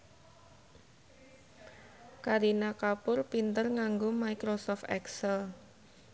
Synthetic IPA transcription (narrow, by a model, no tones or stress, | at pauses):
kaɾinakapʊrpint̪ərŋaŋɡʊmaikɾosɔft̪ɛ̰ksɛl